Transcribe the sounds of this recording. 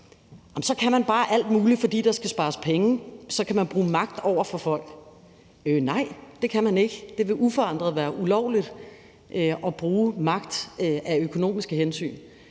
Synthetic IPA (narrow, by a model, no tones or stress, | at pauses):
ɒmsɒ̽kʰæmænb̥ɑ̈ːʔæl̰d̥muːlifɒ̽d̥ḭːd̥ɑ̈sɡ̥æsb̥ɑ̈ːspʰeŋəsɒ̽kʰæmænb̥ʁuːmɑ̈ɡ̥d̥ɒʊ̰ɐfɒ̽fɒ̽l̰ɡ̥ | ønɑ̈ɪ̰d̥e̝kʰæmæne̝ɡ̥əd̥e̝ʋe̝ʔufɒ̽ɑ̈n̰d̥ʁɐðˠʋæːɐʔulɒʊ̰lid̥ | ʔøʔɒ̽b̥ʁuːmɑ̈ɡ̥d̥ʔæøkʰo̝no̝̰ːmisɡ̥əhensy̰ːn